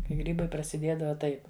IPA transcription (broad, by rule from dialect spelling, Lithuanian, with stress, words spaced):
kɐɪ ˈɡrʲiːbɐɪ prɐsʲɪˈdʲiɛdɐʋɐ ˈtɐɪp